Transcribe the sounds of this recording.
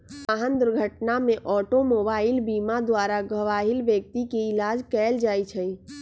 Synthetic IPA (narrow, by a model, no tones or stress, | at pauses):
aɦənd̪uɾɡʱəʈnamẽʔɔːʈomoːbaːɪlbiːmad̪waɾaɡəʋaːɦɪlʋjək̚t̪ikeɪlaːd͡ʒkɛːld͡ʒaːit͡ʃʰə̃ĩ